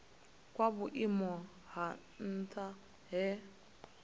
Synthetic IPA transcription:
kwaβuʔimɔ | ɦa | n̩tʰʼa | ɦɛ

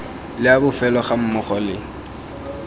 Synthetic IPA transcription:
lɪabʊfɛlɔχam̩mʊχɔlɪ

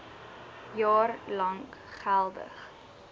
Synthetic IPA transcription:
jɑːrlɐŋkχælˠdə̰χ

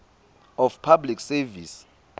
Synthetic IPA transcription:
ɔfpʰabliksɛvis

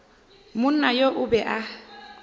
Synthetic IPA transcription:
mʊn̩najoʔʊbɛʔa

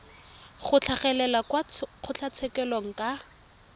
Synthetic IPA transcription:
χʊt͡ɬʰaχɛlɛlakwaq͡χʰʊt͡ɬʰat͡sʰɛkɛloŋ̩kʼa

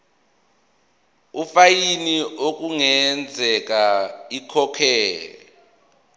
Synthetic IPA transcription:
ufajiniok̬ʼuŋɛnd͡zʱɛk̬aikʰɔkʰɛːlɛ

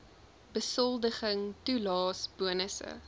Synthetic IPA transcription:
bəsɔlˠdəχəŋtulɑːsb̥uənəsə̰

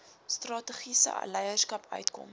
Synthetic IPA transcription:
strɑːtəχisə̰ɐ̰lɛjərskɐpʰœ̰ɥtkɔ̰m

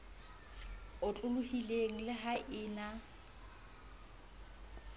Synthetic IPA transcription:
ʊt͡ɬʼʊlʊhileŋ̩lɪɦaʔɪːna

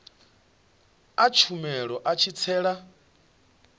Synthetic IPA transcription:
at͡ʃʰumɛɺɔʔat͡ʃʰit͡sʰɛːɺa

